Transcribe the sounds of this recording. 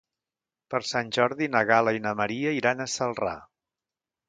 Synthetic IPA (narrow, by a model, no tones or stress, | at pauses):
pəɾsanʲʒɔɾðinəɣaləinəməɾiəiɾanəsəlˠra̰